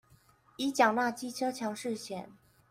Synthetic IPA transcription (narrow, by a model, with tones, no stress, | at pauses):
i˧˥t͡ɕjɑ˨˩ŋna˥˩t͡ɕi˥ʈ͡ʂʰɤ˥t͡ɕʰjɑ˧˥ŋʂɻ̩˥˩ɕjɛ˨˩˦n